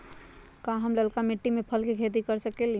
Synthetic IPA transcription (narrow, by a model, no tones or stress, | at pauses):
kãɦəmləlkameʈːimepʰəlkekʰet̪̬ikəɾsəkel